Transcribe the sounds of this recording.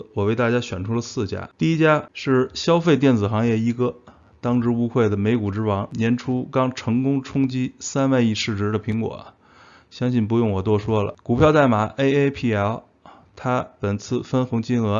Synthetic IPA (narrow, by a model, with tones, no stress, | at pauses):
wɔ˨˩we˥˧ɪt̪a˥˩t͡ɕja˥ɕɥɛ˨˩nʈ͡ʂʰu˥lə˨˧sɹ̩˥˩t͡ɕja̰˥t̪i˥˧i˥t͡ɕja˥ʂɻ̩˥˩ɕjɑ˥ʊfe˥˧ɪt̪jɛ˥˩nd͡zɹ̩˨˩xɑ˧˥ŋjɛ˥˩i˧˥kɤ˥˩ | t̪ɑ˥ŋʈ͡ʂɻ̩˥u˥xwe˥˩ɪd̪ə˩me˧˥ɪku˨˩ʈ͡ʂɻ̩˥wɑ˧˥ŋnjɛ˧˥nʈ͡ʂʰu˥kɑ˥ŋʈ͡ʂʰɤ˧˥ŋkʊ˥ŋʈ͡ʂʰʊ˥ŋt͡ɕi˥sa˥nwa˥˧ni˥˧ʂɻ̩˥˩ʈ͡ʂɻ̩˧˥d̪ə˨pʰi˧˥ŋkwɔ̰˨˩˦ | ɕjɑ˥ŋɕi˥˩npu˧jʊ˥˩ŋwɔ˨˩t̪wɔ˥˩ʂwɔ˥lə̰˨˩ku˨˩pʰjɑ˥˧ʊt̪a˥˩ɪma˧˩˥ʔe˥ɪe˥ɪpʰi˥˩ɛ˥l | t̪ʰa˥pə˨˩nt͡sʰɹ̩˥˩fə˥nxɤ˧˥ŋt͡ɕi˥nɤ˧˥